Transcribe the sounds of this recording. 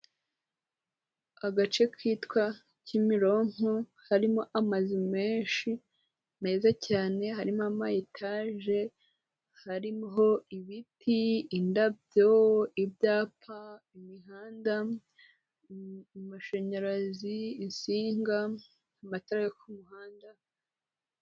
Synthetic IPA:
aɡat͡ʃe̞kʰwiːtkwa | cimiɾo̞ŋ̥o | haɾimo̞ʔamazime̞ːnʃi | me̞ːzacaːne̞ɦaɾimoamajitʰaːʒe̞ | haɾimɦo̞iβitʰiːndabjoibjaːpʰa | imiɦaːnda | maʃeɲaɾaziːnsiːŋɡa | amatoɾajekumuɦaːnda

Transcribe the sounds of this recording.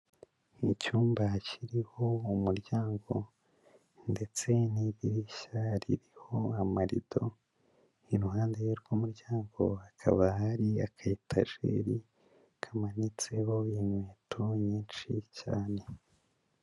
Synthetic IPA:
icuːmbaciɾiho̞umuɾɟaːŋɡo̞ | nde̞t͡se̞niβiɾiʃaɾḭɾiho̞amaɾḭd̥o̞ | iɾuhaːndeɾɡumuɾɟaːŋɡo̞̰akʰa̰βahaɾiakʰaitʰa̰ʒḛɾi | kʰamanit͡se̞ho̞inweːtʰoɲiːnʃicaːne̞

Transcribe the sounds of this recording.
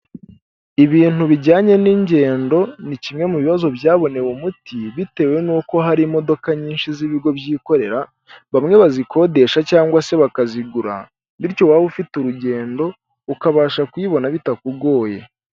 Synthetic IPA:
iβiːn̥uβiɟaːɲe̞niɲɟe̞ːndo̞nicimŋe̞muβiβazo̞bjaːβo̞ne̞wumutiβite̞ːwe̞nuːko̞ɦaɾimo̞do̞kaɲiːnʃiziβiɡo̞bjiːko̞ɾe̞ɾa | βamŋe̞βaziko̞ːde̞ʃacaːŋɡwase̞βakaziɡuɾa̰ | βiɾco̞waːβufituɾuɟe̞ːndo̞ | ukaβaːʃakwiβo̞naβitakuɡo̞ːje̞

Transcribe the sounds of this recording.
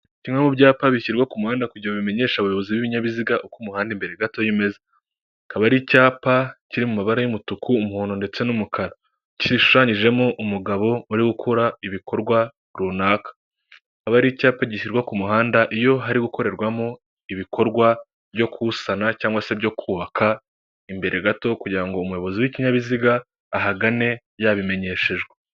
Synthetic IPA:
cimwemubɟaːpaβiʃiɾɡwakumuhaːndakuɟiɾaβime̞ɲe̞ʃaβajo̞βo̞ziβwiβiɲaβiziɡaʔokumuhaːndimbe̞ɾe̞ɡato̞jime̞ze | kaβaɾicaːpaciɾimumaβaɾajumutukʰuːmuhoːndo̞nde̞t͡se̞numukʰaɾa | ciiʃu̥ʃaɲiʒe̞moʔumuɡaβo̞uɾiɡukʰuɾaiβikʰo̞ɾɡwa | ɾuːnaːkḁ | aβaɾicaːpaɟiʃiɾɡwakumuɦaːndaʔijo̞ɦaɾiɡuko̞ɾe̞ɾɡwamo | iβikʰo̞ɾɡwa | bjo̞kusanacaːŋɡwase̞bjo̞kʰuːβakʰa | imbe̞ɾʔe̞ɡato̞kuɟiɾaŋɡo̞umuwjoβo̞ziwiciɲaβiziɡaː | ɦaɡane̞ | jaβime̞ɲe̞ːʃe̞ʒɡe

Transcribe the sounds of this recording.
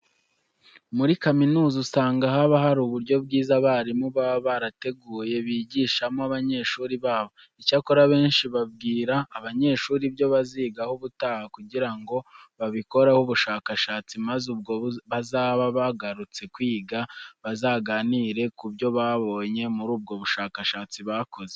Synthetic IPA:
muɾikaminuːzusaːŋɡaɦaβaɦaɾuβuɾɟo̞b̚ɡiːzaβaɾimuβaββaɾate̞ɡuːje̞βiːɟiːʃamoaβaɲe̞ʃuːɾiβaːβo̞ | icakoɾaβe̞ːnʃiβab̚ɡiːɾaːβaɲe̞ːʃuːɾibjo̞βaziːɡahoβutaːhakuɟiɾaŋɡo̞βaβiko̞ɾahuβuʃaːkaʃaːt͡simazub̚ɡo̞βazaːβaβaɡaɾut͡se̞kwiːɡaβazaːɡaniːɾe̞kubjo̞βaβo̞ːɲe̞muɾuːb̚ɡo̞βuʃaːkaʃaːt͡siβakʰo̞ze

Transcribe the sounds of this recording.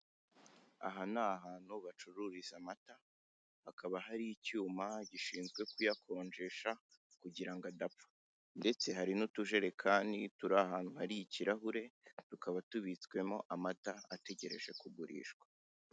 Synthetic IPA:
a̰ɦanaːɦaːn̥huβat͡ʃuɾuɾizamata | hakaβaɦaɾijicuːmaɟiʃiːnzɡwe̞kujakʰo̞ːnd͡ʒe̞ʃa | kuɟiɾaŋɡadapfḁ | nde̞t͡se̞ɦaɾinutuʒe̞ɾe̞kʰaːndituɾahaːnuhaɾijiciɾaɦuɾe̞tukaβatuβit͡sɡwe̞mo̞ʔamataate̞ɟe̞ɾe̞̰ʒe̞kuβuɾḭːʃɡwḁ

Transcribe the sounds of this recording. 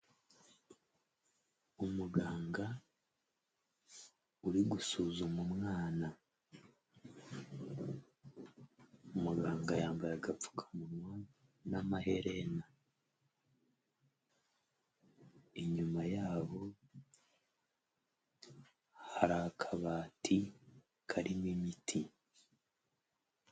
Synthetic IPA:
umuɡaːŋɡa | uɾiɡusuːzumumŋaːna | umuɡaːŋɡajaːmbajaɡafu̥kʰḁmunwa | namaɦe̞ɾena | eɲumajaːβo̞ | haɾakʰaβaːtʰi | kʰaɾimimitʰi

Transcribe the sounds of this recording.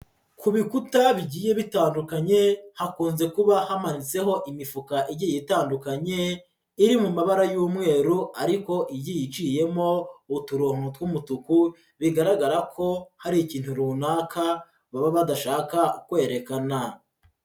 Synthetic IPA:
kuβikutaβiɟiːje̞βitaːndukaɲe̞hakuːnze̞kuβahamanit͡se̞ɦo̞ʔimifukaʔiɟijitaːndukaɲe̞ | iɾimumaβaɾajuːmŋe̞ːɾuʔaɾiko̞ʔijijit͡ʃije̞mo̞utuɾoːŋutwumutuku | βiɡaɾaɡaɾakʰo̞haɾiːciːnthuɾuːnaːkʰa | βaβaβadaʃaːkakwe̞ːɾe̞kana

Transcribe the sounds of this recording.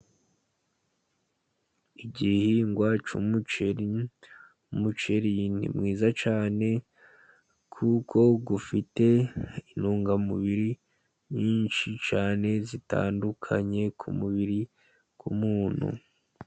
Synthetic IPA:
iɟihiŋɡwaːt͡ʃumut͡ʃeɾi | mut͡ʃe̞ɾinḭmŋiːzat͡ʃaːne̞ | kʰukʰo̞ɡufite̞inuːŋɡamuβiɾi | ɲiːnʃit͡ʃaːne̞zita̰ːndukʰa̰ɲe̞kʰumuβiɾi | kumuːnhṵ

